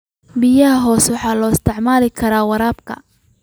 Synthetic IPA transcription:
bɪjɐɦɐɦɔːswɑħɑːlɔːɪst̪ʰɛʕmaːlɪkʰɐɾaːwɐɾaːbkʰɐ̰

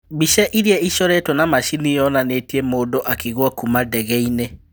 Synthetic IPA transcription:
biʃɛʔiɾiɛiʃɔɾetɔnamaʃinijɔnaneːtiemoːdoʔakiɣwɔkumadɛɣɛine

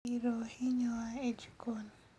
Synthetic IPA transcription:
iɾohiɲɔaed͡ʒikon

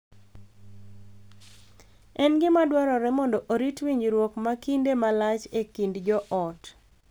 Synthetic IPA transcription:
ɛnɡɪmadwaɾɔɾɛmɔndɔʔoɾitwiɲd͡ʒɾwɔkmakindemalat͡ʃekindd͡ʒɔʔɔt

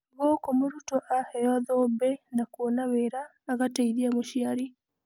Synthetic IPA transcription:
ɣɔkomoɾutɔʔahɛjɔðɔbɛnakuɔnaβeɾaː | ɣataiðiamoʃiaɾi

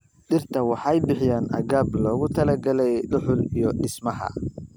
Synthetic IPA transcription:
ɗɪrt̪ʰɐwɑħɑjbɪħɪjaːnʔɐɣaːblɔːɣʊt̪ʰɐlɐɡɐlɛjɖʊħʊlijɞɖɪsmɐɦɐ̰

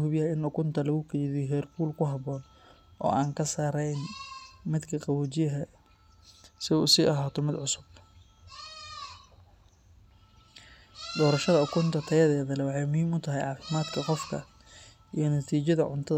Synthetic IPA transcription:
hʊbjɐɪnʊkʰʊnt̪ʰɐlɐɣʊkʰɛjðiɦɛːrbuːlkʰʊɦɐβɔːn | ʔɔ̰ːʔaːŋkʰɐsaːɾɛjnmɪd̪kʰɐqɑwut͡ʃɪjɐɦɐ | sɪṵːsiːʔɐɦaːt̪ʰɔmɪd̪ʕʊsʊb̚ | d̪ɔːɾɐʃɐðɐʊkʰʊnt̪ʰɐt̪ʰɐjɐðɛːðɐlɛwɑħɑjmʊhɦiːmʊt̪ʰɐɦɛjʕɑːfɪmaːd̪kʰɐqɔfkʰɐ̰ | ʔijɞnɐt̪ʰiːt͡ʃɐðɐʕʊ̰nt̪ʰɐð

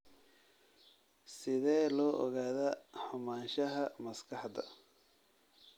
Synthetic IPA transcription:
sɪðɛːlɔːʔɔ̰ɣaːðɐħʊmaːnʃɐɦɐmɐskʰɑħd̪ɐ̰

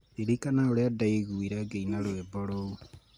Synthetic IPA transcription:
eɾikanaoɾeadaeɣuiɾaɡeinaɾwebɔɾou

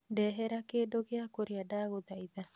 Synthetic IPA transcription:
dɛɦɛɾakedoɡeakoɾjadaɣod̪aiða

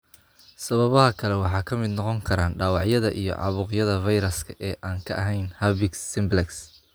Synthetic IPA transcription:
sɐβɐβɐɦɐkʰɐlɛwɑħɑːkʰɐmɪd̪nɔqɔŋkʰɐɾaːnɖaːwɑʕjɐðɐʔḭjɞ̰ʕɑ̰βʊːqjɐðɐvɐjɾɐskʰɐ̥ʔɛːʔaːŋkʰɐʔɐɦɛjnhɐβɪksːɪmblɛks

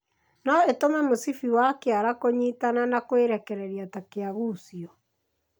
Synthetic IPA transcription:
nɔetomɛmosifiwakeaɾakoɲitananakweɾɛkɛɾɛɾiatakeaɣuːsiɔ

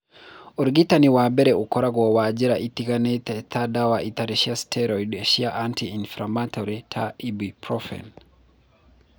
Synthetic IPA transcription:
ɔɾɡitaniwabɛɾɛʔukɔɾaɡwawad͡ʒiɾaʔitikanɛtɛtʰadawaʔitaɾɛʃiastʰɛɾɔidɛʃiaʔantiinfɾamatʰɔɾitʰaibipɾɔfɛ̰n

